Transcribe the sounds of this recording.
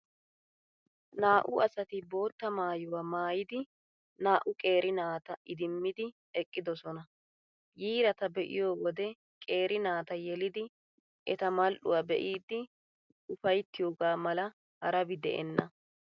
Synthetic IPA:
naːʔʊʔɐsɐt̪ɪbo̞ːt̪ːɐmaːjʊwaːmaːjɪd̪ɪ | naːʔʊkʼe̞ːɾɪnaːt̪ɐʔɪd̪ɪmːɪd̪ɪ | ɛkʼːɪd̪ɔsɔnɐ | jiːɾɐt̪ɐbɛʔɪ̰jo̞ːwɔd̪ɛ | kʼe̞ːɾɪnaːt̪ɐjɛlɪd̪ɪ | ʔɛt̪ɐmɐlʔʊ̰waːbɛ̰ʔiːd̪ːɪ | ʊfɐjt̪ːɪjo̞ːɡaːmɐlɐ | hɐɾɐbɪd̪ɛʔɛ̰nːɐ

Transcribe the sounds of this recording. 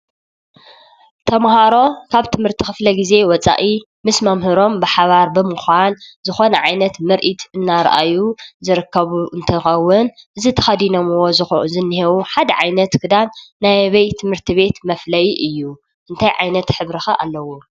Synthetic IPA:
t̪ʰɐmhaɾo̞kʰaβt̪ʰɨmhɨɾt̪ʰixɨflɐɡize̞wɔt͡sʼa̰ʔi | mɨsmɐmhɨɾo̞mbɨħaβaɾbɨmɨxʷanzɨxo̞nɐʕajnɐt̪mɨɾʔit̪ɨnːaɾɐ̰ʔa̰juzɨɾɨkːɐβuʔɨnt̪ʰɐxɐwːɨnʔɨzit̪ʰɐ̥xɐd̪inomɨwo̞zɨxzɨnːɨhewuħad̪ɐʕajnɐt̪kʰɨd̪anːajβɐjt̪ʰɨmhɨɾt̪ʰiβe̞t̪mɐflɐjiʔɨjːu | ʔɨnt̪ʰajʕajnɐt̪ħɨβɾɨxɐʔa̰lːɐwu

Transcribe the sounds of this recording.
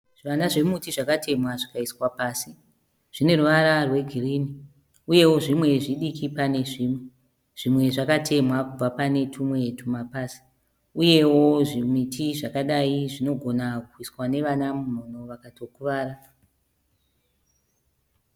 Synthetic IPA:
ʋanaʐe̞mutiʐakatʰe̞mwaʐikaiswapaːsi | ʐ̥ine̞ruʋaɾarwe̞ɡʱiriːni | uje̞wo̞ʐimwe̞ʐiɗikipane̞ʐiːmwe̞ | ʐ̥imwe̞ʐakatʰe̞mwakub͡vapane̞tʰumwe̞tumapaːsi̥ | uje̞wo̞ʐimitʰiʐakaɗaiʐino̞ɡʱo̞nakuiswane̞ʋanamum̤ono̞ʋakato̞kuʋaːra

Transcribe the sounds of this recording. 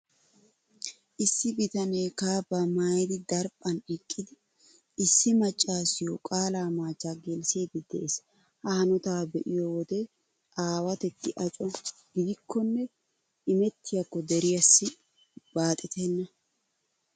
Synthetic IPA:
ʔɪsːɪbɪt̪ɐneːkaːbɐmajd̪ɪd̪ɐɾpʼɐnɪkʼːɪd̪ɪ | ɪsːɪmɐt͡ʃʼːaːsɪjɔkʼaːlaːmaːt͡ʃʼːaːɡɛlseːɡɪd̪ɛʔes | hɐhɐnɔt̪aːbɛʔɪjɔwɔd̪ɛ | ʔaːwɐt̪ɛt̪ːɪʔɐt͡ʃʼɔɡɪd̪ɪkʰːɔnːɛ | ʔɪmɛt̪ʰːɪjɐkːɔd̪ɛɾɪjɐsːɪ | b̥aːt̪ʼɛt̪ʰɛnːɐ

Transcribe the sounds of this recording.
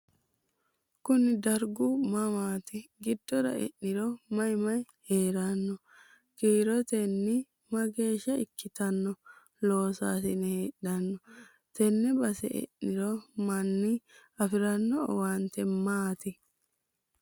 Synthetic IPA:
kʊnɪd̪ɐɾɡʊmɐmaːt̪ɪɡɪd̪ːɔɾɐ̰ɛ̰ʔːɪɾɔmɐjmɐj | heːɾanːɔ | kiːɾɔt̪ɛnːɪ | mɐɡe̞ːʃːɐɪkːɪt̪ɐnːɔ | lo̞ːsaːsɪnɛheːɗɐnːɔ | t̪ɛnːɛbɐsɛ̰ʔɛ̰nːɪɾɔmɐnːɪɐfɪɾɐnːɔwant̪ɛmaːt̪ɪ

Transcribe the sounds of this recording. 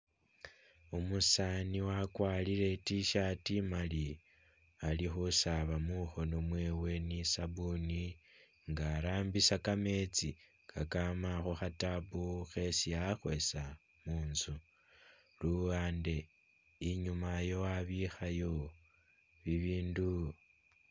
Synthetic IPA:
omusaniwakwaːliɾe̞tiʃatimali | alixusaβamuxo̞nomwe̞ːwe̞nisaβuni | ŋɡaːɾaːmbisakame̞t͡si | kakamaxoxatabuxe̞sijaxwe̞sa | muːnzu | luaːnde̞ | iɲumajo̞aβixajo̞ | βiβiːndu

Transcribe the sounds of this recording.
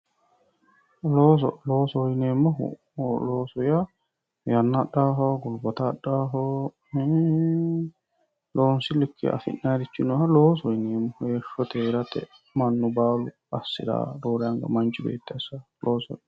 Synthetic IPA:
loːs̬ɔloːsɔjneːmːɔɦṵ | loːsɔja | jɐnːaɗaɦɔɡʊlbɐt̪aɗːaːɦɔ | loːnsɪlɪkːɪ̰ʔɐ̰fɪ̰nːaːɾɪt͡ʃːɪnɔhɐloːsɔjneːmːɔhjeʃɔt̪eɾɐt̪ɛ̰ | mɐnːʊbaːlʊ | ɐsːɪ̰d̪a̰ːd̪oːɾɛɐŋɡɐ̰mɐnt͡ʃɪbḛːt̪ːɛsaloːsɔ̰

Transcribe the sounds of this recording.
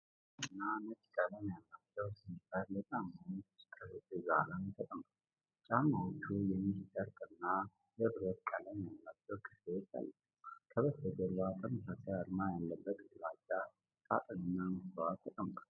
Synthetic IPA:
ɨnːanət͡ʃʼkʼələmjalːat͡ʃːɛwsifəɾjɛt͡ʃʼamːawt̪ʰʼəsɨt̪ɨza̰lənt̪ʰət̪ʼəma | t͡ʃʼamawt͡ʃʰːujɛmːit̪ʼəɾkʼɨnːa | jɛβɨɾət̪kʼələmjalːat͡ʃːɛwkʰɨ̥fesa̰lː | k̪ʰəβəsəd̪əlat̪ʼəməsasɛaɾmajalːəbːət̪ʼɨlad͡ʒa | t̪ʼa̰t̪ʼɨnɨnːamɨswat̪ʰːət̪ʼəmba

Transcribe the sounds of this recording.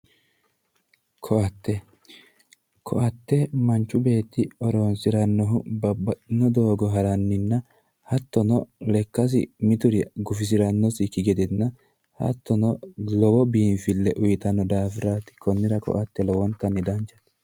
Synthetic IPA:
kʰɔɐt̪ːɛ | kʰɔ̰ʔɐt̪ːɛmɐnt͡ʃːʊbe̞ːt̪ːɪɔɾoːnsɪɾɐnːɔɦʊbnɔd̪oːɡɔɦɐɾɐnːɪnːɐ | hɐt̪ːɔnɔlɛkːɐs̬ɪ̰mɪt̪ʊɾɪɡʊfɪs̬ɪɾɐnːɔsɪkɪɡɛd̪ɪnːɐ | hɐ̰t̪ːɔnɔlɔwɔbiːnfɪlːɛʔʊjɪt̪ɐnːɔd̪aːfɪɾaːt̪ɪ̥kɔnːɪɾɐkɔ̰ʔɐt̪ːɛlɔwɔnt̪ːɐnːɪd̪ɐnt͡ʃːɐ̥t̪ːɛ̥

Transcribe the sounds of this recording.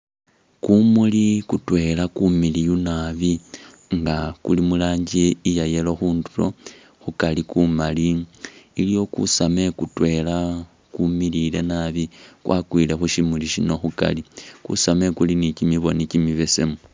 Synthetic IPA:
kumulikutwe̞lakumilijunaβi | ŋɡakulimulaːɲɟieijaje̞lo̞xuːndulo̰ | xukalikumaliilijo̞kṵsame̞kutwe̞la | kumilile̞naβikwʔa̰kwiːle̞xuʃimuliʃino̞xuka̰likṵsame̞kulinicimiβo̞nicimiβe̞se̞mu

